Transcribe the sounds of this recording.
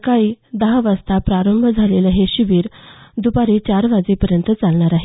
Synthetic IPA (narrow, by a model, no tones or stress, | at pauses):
kaiːd̪əɦaʋəst̪apɾaɾəmbʱəd͡zʱaleləɦeɕiʋiːɾd̪upaɾiːt͡ɕaɾʋad͡zepəɾjənt̪ət͡salɳaɾaɦe